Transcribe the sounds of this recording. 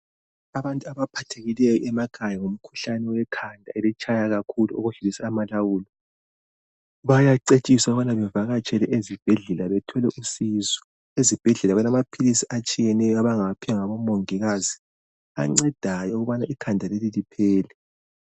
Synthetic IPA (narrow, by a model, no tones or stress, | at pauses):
aβantʼuaβapʰatʰeɣilɛjɔʔɛmaɡ̥ʰʱajaŋum̩kʰu̥ɬanɛwɛkʰandʱaɛlɛt͡ʃʰʼajaɣakʰuluo̰ɣuɮulisaːmalawuːlɔ | βajaǀet͡ʃʼisauβanaβɛvaɣat͡ʃʼʰɛlɛʔezib̥ʱɛɮɛlaβɛtʰɔlɛʔusiːzɔ | ezib̥ʱɛɮɛlaɣɛnamapʰilisiʔat͡ʃʼijɛnɛjɔaβaŋapʰijaŋaβɔmoŋiɣazi | aŋ͡ǀɛd̥ʱajɔuɣuβanaʔikʰandʱalelilipʰɛːlɛ